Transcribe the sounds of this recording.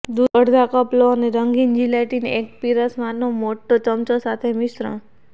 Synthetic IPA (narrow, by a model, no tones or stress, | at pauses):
d̪uəɽd̪ʱakəploəneɾəŋɡind͡ʒilaʈinek̚piɾəsmanomoʈːot͡ʃəmt͡ʃosat̪ʰemisɾə̰̃